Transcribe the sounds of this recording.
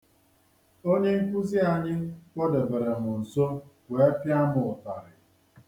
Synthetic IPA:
o˦ɲe˦ŋ̩˦kʷu˦zi˦a˨ɲɪ˦kʷɔ˦de˨be˨ɾe˨mʊ˨n̩˨so˦kʷe˨˦pja˦mʊ˨ʊ˨ta˨ɾɪ˨

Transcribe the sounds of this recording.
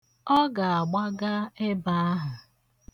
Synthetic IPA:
ɔ˦ɡa˨a˨ɡ͡ba˦ɡa˦e˦ba˦a˦ɦʊ˨

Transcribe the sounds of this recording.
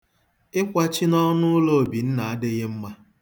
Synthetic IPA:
ɪ˦kʷa˦t͡ʃi˦nɔ˦nʊ˦lo˦o˨bi˨n̩˦na˨a˦dɪ˦ɣe˦m̩˦ma˦

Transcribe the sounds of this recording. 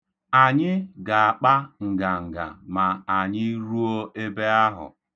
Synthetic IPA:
a˨ɲɪ˦ɡa˨a˨k͡pa˦ŋ̩˨ɡa˨ŋ̩˨ɡa̰˨ma˨a˨ɲɪ˦ɾu˦o˦e˦be˦a˦ɦʊ̰˨

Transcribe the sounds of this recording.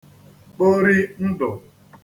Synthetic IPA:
k͡po˦ɾi˦n̩˦dʊ˨

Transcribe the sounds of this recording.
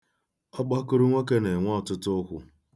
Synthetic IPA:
ɔ˦ɡ͡ba˦kʊ˦ɾʊ˦ŋʷe˦ke˦ne˨ŋʷɔ˦ɔ˨tʊ˦tʊ˦kʷʊ˨˦

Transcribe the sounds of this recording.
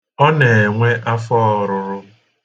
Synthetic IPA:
ɔ˦ne˨e˨ŋʷe˦ʔa˦fɔ˦˨ɾʊ˨ɾʊ˦

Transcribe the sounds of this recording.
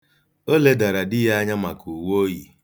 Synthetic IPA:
o˦le˦da˨ɾa˨dɪ˦ɦa˦ɲa˦ma˨ku˨wo˦ji˨

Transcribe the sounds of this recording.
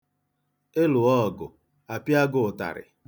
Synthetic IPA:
e˦lʊ˨ɔ˦˨ɡʊ̰˨ | a˨pja˦ɡʊ˨ʊ˨ta̰˨ɾɪ̰˨

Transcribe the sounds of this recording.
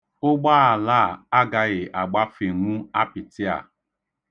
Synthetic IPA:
ʊ˦ɡ͡ba˦a˨laː˦˨a˦ɡa˨ɣɪ˨ʔa˨ɡ͡ba˦fe˨ŋu˦a˦pɪ˨tɪ˦a̰˨

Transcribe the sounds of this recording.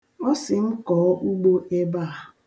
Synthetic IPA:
ɔ˦sɪ˨m̩˦kɔː˨ɔ˦ʔu˦ɡ͡bo˦e˦ba˦a˨

